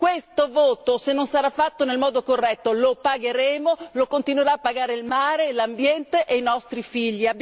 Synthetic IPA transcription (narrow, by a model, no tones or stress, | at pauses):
kwest̪ovoːt̪osenːonsaɾafːat̪ːonelmɔːd̪okorːɛt̪ːolopaɡeɾeːmolokont̪inweɾaːpːaɡaːɾeilmaːɾelambjɛnt̪eʔejnɔst̪ɾifiʎːiab